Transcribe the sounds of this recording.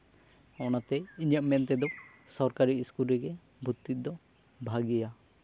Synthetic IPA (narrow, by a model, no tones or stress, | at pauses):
ɔnat̪ɛiɲəʔmɛnt̪ɛd̪ɔ | sɔɾkaɾiskulɾɛɡɛ | bʱut̪ːit̪̚d̪ɔ | bʱaɡija